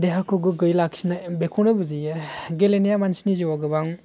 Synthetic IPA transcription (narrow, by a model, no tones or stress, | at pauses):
deɦakʰoɡɯɡɯjlaksʰinabekʰɔnɯbɯzijaɡelenijamansiniziwaɡɯbaŋ